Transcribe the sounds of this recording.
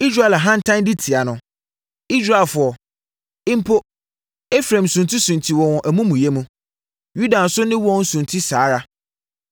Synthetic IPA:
i˦s̬ɾa˨ɛ˨la˨ɦã˦n̩˦tʰã˦n˦di˦tʰi˨a˨nʊ̃˨ | i˦s̬ɾa˨lfʊ˨ɔ˨ | ɪ̃˦m˦pʰo˦ | ɛ˦fɾã˨m˨sũ˨n˨tʰi˦sũ˨n˨tʰi˨wɔ̃˨wɔ̃˨ʔæ˨mũ˦mũ˨je˦mũ˦ | ju˦dã˨n˨sʊ˦nɪ̃˦wɔ̃˦n̩˦sũ˨ntʰi˦saː˨˦ɾa˦

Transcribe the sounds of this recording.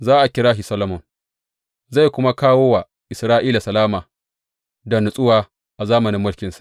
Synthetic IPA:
zaː˦ʔa˨kʲɪ˦ɽaː˦ʃi˨sɐ˦lɐ˨mʊ˨ŋ | za˦˨jkʷʊ˦ma˦kaː˦woː˦wa˨ | ʔɪ˨sɾaː˦ʔiː˦la˨sɐ˨laː˦maː˨ | dɐ˨nʊ˨sʼʊ˦waː˦ | ʔa˨zaː˦mɐ˨nɪ˦mːʊ˦lkʲɪ˨nsḁ˨ʔ

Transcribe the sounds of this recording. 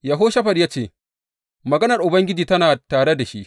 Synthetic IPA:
ja˨ɦoː˦ʃɐ˦ɸɐ˨rjaː˦t͡ʃeː˦˨ | mɐ˨ɡɐ˦nɐ˨rʔʊ˨bɐ˦ŋɡʲɪ˦d͡ʒiː˨tɐ˦naː˨taː˨ɽe˦da˨ʃi˦ʔ

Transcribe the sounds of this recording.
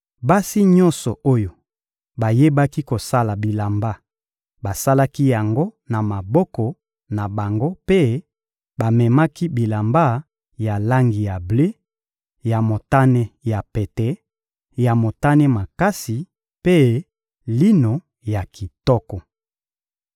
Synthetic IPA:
ba˦si˦ɲɔ̃˦nsɔ˨ʔo˦jo˨ | ba˨je˦ba˦ki˦ko˨sa˦la˨bi˨la˨mba˦ | ba˨sa˦la˦ki˦ja˨ŋɡo˦na˨ma˨bɔ˦kɔ˨ | na˨ba˨ŋɡo˦pe˦ | ba˨mɛ˨ma˦ki˦bi˨la˨mba˦ | ja˨la˦ŋɡi˨ja˨ble˦ | ja˨mo˨ta˦nɛ˦ja˨pɛ˨tɛ˦ | ja˨mo˨ta˦nɛ˦ma˨ka˦si˨ | pe˦ | li˦no˨ | ja˨ki˨tɔ˦kɔ˨

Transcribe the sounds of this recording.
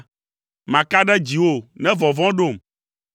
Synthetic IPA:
mã˨ka˦ɖɛ˦d͡ʑi˨wo˦nɛ̃˦vɔ˨vɔ̃˦ɖo˦˨m

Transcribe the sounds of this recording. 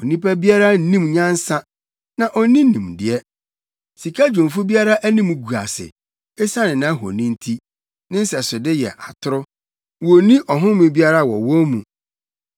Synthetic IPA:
ɔ˨nĩ˦pæ˦bi˦a˦ɾa˦n̩˦nĩ˦mɲã˦n˦sa˦ | nã˨ʔɔ˦nĩ˦nĩ˨mdɪ˨ɛ˦ | si˨kʰa˦d͡ʑᶣʊ̃˨fʊ˦bi˦a˦ɾa˦ʔæ˦nĩ˦mu˦ɡu˨a̰˨sɪ̰˨ | e˦sa˦nɪ̃˨nã˨˦ɦo̰˨nĩ˦n̩˦tʰi˦ | nɪ̃˦n̩˦sɛ˨sʊ˨dɪ˦jɛ̰˨ʔa̰˨tʰʊ˦ɾʊ˦ | wo˨nĩ˦ʔɔ˨ɦʊ̃˦mɪ̃˨bi˦a˦ɾa˦˨wɔ̰˨wɔ˦mũ˨

